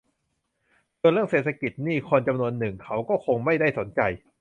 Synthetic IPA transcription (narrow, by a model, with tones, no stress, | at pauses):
du˧nɾɯ˥˩əŋseː˨˩t̪ʰa˧ki˨˩t̪̚niː˥˩kʰo˧nt͡ɕa˧mnu˧ənːɯ˨˩ŋkʰa˦˥wkɔː˥˩kʰo˧ŋma˥˩jda˥˩jso˩˦nt͡ɕa˧j